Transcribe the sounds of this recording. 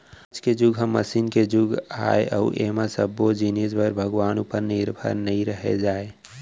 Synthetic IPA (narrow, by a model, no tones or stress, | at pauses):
d͡ʒked͡ʒʊɡʱɦəmːəsiːnked͡ʒʊɡʱa̰ːeʔɔ̰ːʔeːmasəbːod͡ʒineːsbəɾbʱəɡwaːnupəɾnɪɾbʱə̰ɾnɐɦĩɾəɦḛd͡ʒaːe